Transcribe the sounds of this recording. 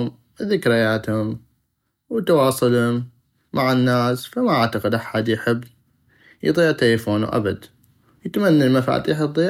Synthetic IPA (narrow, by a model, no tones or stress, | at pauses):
m | ðɪkɾɪjaːt̪hʊm | wt̪awɑːsˤɨlhʊmː | aʕɪnːaːsfamaʔaʕt̪aqɪd̪ʔaħad̪jħɪbː | jðˤiːʕt̪aləfoːnṵʔa̰bad̪ | jət̪manːalmafa̰t̪jħəbðˤiː